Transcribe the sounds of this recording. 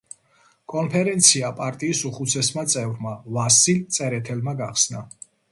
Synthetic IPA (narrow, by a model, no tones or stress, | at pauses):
kʼɔnpʰɛɾɛnt̪sʰiapʼaɾt̪ʼiːsuχut̪sʰɛsmat̪sʼɛvɾmavasilt̪sʼɛɾɛt̪ʰɛlmaɡaχsna